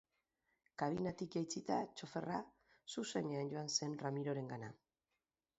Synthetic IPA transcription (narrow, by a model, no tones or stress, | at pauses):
kaβinat̪ikjajt͡sit̪at͡ʃo̞fe̞ra | suse̞ne̞anɟo̞anse̞nramiɾo̞ɾe̞ŋɡana